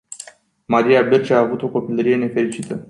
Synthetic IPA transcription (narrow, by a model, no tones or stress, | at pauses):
maɾijabirt͡ʃaːvut̪o̞ko̞piləɾije̞ne̞fe̞ɾit͡ʃit̪ə